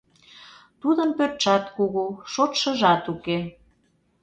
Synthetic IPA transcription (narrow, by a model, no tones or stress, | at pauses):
t̪ud̪əmpørt̪ʃɑt̪kuɣuʃot̪ʃə̆ʒɑt̪uke